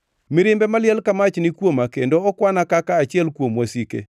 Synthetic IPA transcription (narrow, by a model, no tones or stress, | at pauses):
mɪɾɪmbɛmalɪɛlkamat͡ʃnɪkwomakendoɔkwanakakaːt͡ʃɪɛlkwomwasikḛ